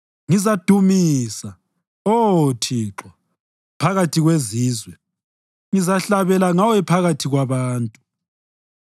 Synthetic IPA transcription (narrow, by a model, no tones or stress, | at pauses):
ŋizad̥ʱumisa | otʰiːǁwa | pʰaɣatʰiɣweziːzwɛ | ŋizaɬaβɛlaŋawɛpʰaɣatʰiɣwaβaːntʼu